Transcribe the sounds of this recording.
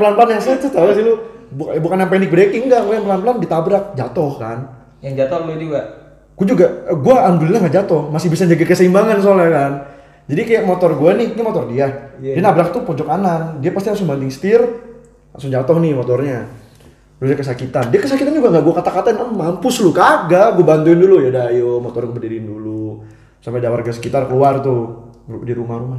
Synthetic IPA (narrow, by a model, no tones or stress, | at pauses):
planpəlanjaŋst̪alasilubukbukanjaŋpenɪk̚bɾekɪŋɡaʔɡuajaŋpəlanpəlandit̪abɾak̚d͡ʒat̪ɔhka̰n | jaŋd͡ʒat̪ɔluɡa | ɡ̥uad͡ʒuɡaɡuaːŋɡʊlilaŋɡaʔd͡ʒat̪ɔhmasɪhbisad͡ʒaɡakəsaimbaŋans̬oalakan | d͡ʒadikajaʔmot̪ɔrɡuanɪhɲimɔt̪ɔrdiadɛnabɾak̚t̪upɔd͡ʒɔkanandiapast̪ilasʊŋbandɪŋsə̥t̪ɪr | ma̰ŋsʊŋd͡ʒat̪ɔhnɪmɔt̪ɔrɲa | ɾuakəs̬akit̪andiakəsakit̪and͡ʒuɡaŋɡaʔɡuakat̪akat̪anəmampʊslukaaɡaʔɡuabant̪uɪndulujadajomɔt̪ɔrkubədiɾindulu | sampadawarɡasə̥kit̪arkəluart̪u | diɾumaɾuma